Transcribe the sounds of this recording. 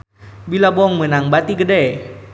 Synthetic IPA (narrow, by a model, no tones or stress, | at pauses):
bilabɔŋmənaŋbat̪iɡədɛ